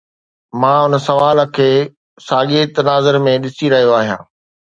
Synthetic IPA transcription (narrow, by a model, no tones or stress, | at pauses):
mãːʊnsɐʋaːlkʰeː | saːɠeːt̪ɐnaːzəɾmẽɗɪsiɾɐɦijoaːɦijã̰ː